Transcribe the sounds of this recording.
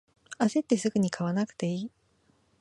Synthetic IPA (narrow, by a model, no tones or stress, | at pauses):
ase̞t̪ːe̞sɨɡɯ̟ɲ̟ikʰaβanakɯ̟̥t̪e̞iː